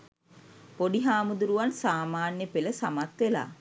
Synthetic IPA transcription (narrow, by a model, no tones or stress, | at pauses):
poɖiɦaːmud̪uɾuʋansaːmaːnjəpeləsamat̪ʋela̰ː